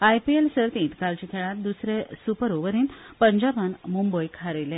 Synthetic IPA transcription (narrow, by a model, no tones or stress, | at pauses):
ajpielsəɾt̪ĩːt̪kalt͡ɕĩkʰeɭãt̪̚d̪usɾesupəɾoʋəɾiːnpəɲd͡ʑabənmumbəjkʰaɾelẽ